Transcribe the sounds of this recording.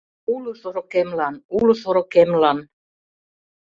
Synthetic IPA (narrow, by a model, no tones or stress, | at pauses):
uluθoɾokemlɑnuluθoɾokemlɑn